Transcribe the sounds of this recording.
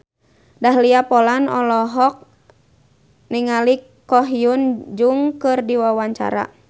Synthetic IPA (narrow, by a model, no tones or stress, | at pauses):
daɦliapɔlanɔ̰lɔɦɔk̚ | niŋalikː | ɔɦiund͡ʒuŋkɨrdiwawaɲt͡ʃa̰ɾa̰